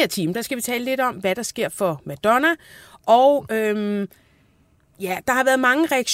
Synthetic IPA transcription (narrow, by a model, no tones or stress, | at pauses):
eɐt͡sʰiːməd̥ɑ̈sɡ̥æʋit͡sʰɛ̰ːləle̝ɾ̥ɒ̽mʋæɾ̥ɑ̈sɡ̥e̝ɐ̰fɒ̽mæd̥ɒnæʔɒʊøm | jæd̥ɑ̈hɑ̈ʋæɐðˠmɑ̈ŋəʁɛæɡ̥ɕ